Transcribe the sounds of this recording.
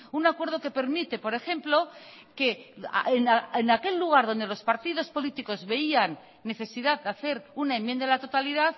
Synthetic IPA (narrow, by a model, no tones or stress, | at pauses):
unakwe̞ɾð̞o̞ke̞pe̞ɾmit̪e̞po̞ɾe̞xẽ̞mplo̞ | ke̞̰enaenake̞lːuɣ̞aɾðo̞nd̪e̞lo̞spaɾt̪iðo̞spo̞lit̪iko̞zβe̞ianː | e̞θe̞siðaðdaθe̞ɾunaemje̞nd̪alat̪o̞t̪aliðað